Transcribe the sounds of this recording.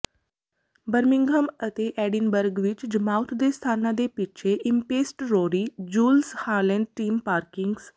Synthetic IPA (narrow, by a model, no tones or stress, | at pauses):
bəɾmiŋɡʱəmət̪eʔɛɖinbəɾɡʋit͡ʃd͡ʒəmawt̪ʰd̪est̪ʰaːnad̪epit͡ʃʰeʔimpeːsʈɾoɾid͡ʒuːlshaləɳɖ̚ʈiːmpaːɾkiŋɡs